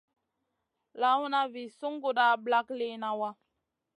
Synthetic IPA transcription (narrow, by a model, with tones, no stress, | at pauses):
la˨˦wu˦na˦vi˨su˦ŋɡu˦da˦˨bla˦kle˦na˨wa˦